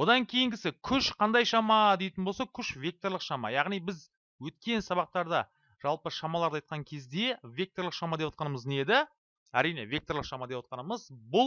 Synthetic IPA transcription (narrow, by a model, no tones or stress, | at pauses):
wo̞d̪ɑŋkʲʰe̞jɪŋɡʲɪsɪkʲʰʏʃqʰɑnd̪ɑjʃɑmɑd̪e̞jt̪ɪnbosɑkʲʰʏʃvʲe̞k̚t̪o̞ɾlˠəqʃɑmɑ̰jɑʁnijbɪz | wɵt̪kʲe̞nsɑβɑq̚t̪ɑɾd̪ɑ | ʒ̥ɑlˠpəʃɑmɑlˠɑɾd̪ɑjt̪̚qʰɑŋkʲʰe̞zd̪e̞vʲe̞k̚t̪o̞ɾlˠəqʃɑmɑd̪e̞pwɑt̪qɑnəməzne̞d̪ɪ | æɾijne̞vʲe̞k̚t̪o̞ɾlˠəqʃɑmɑd̪e̞pwɑt̪̚qɑnəməzbʊlˠ